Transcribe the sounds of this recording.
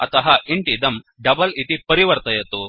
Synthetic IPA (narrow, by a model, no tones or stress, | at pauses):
ɐ̰t̪ɐɦɐiɳʈid̪ɐm | ɖɐbɐlit̪ipɐɾiʋɐɾt̪ɐjɐt̪u